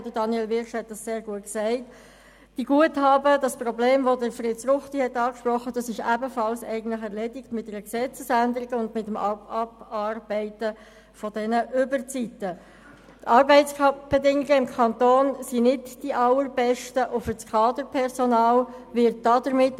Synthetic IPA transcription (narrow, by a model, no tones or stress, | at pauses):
d̥̪ədɑnjɛlvɪɾʃhɛt̚d̥ɑsseːɾɡuət̚ksɛɪt | d̥iɡ̥uəthɑːbəd̥ɑsprɔbleːmʋɔdəɾfɾɪtt͡srʊχtihɛt̪ːɑːkʃprɔχːəd̥ɑsɪʃæbəfɑlsɛ̰ɪɡən̩tləχɛɾlɛdɪɡmɪt̚dɛɾəksɛt͡səsændəɾiɡəʊndmɪtːəmɑbɑrbɛɪtə | fɔdɛnəʔʏbəɾt͡sitːə | tɑɾbɛɪskɑb̥ɛdɪŋɪɡəɪmkʰɑnt̪oːnsinɪdd̥iʔɑlːəɾb̥ɛʃtəʔʊfət͡skʰɑːd̪əɾpʰɛɾsɔnɑːlʋɪɾt̚d̥ɑdəɾmɪt̪